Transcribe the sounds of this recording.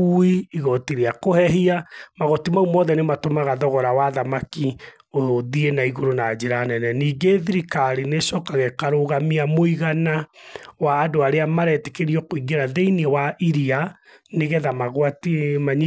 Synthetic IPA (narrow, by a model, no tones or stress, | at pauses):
uiiɣɔtiɾeakohɛɦiamaɣɔtimaumɔːðɛnematomaɣaðɔɣɔɾawaðamaki | oðienaiɣoɾonad͡ʑeɾanɛnɛniːɡeðiɾikaɾinesɔkaɣɛkaɾoɣamiamoiɣanawaːdoaɾeamaɾɛtɛkeɾiɔkoiɡeɾaðeinewaʔiɾia | neɣɛðamaɣwatimaɲ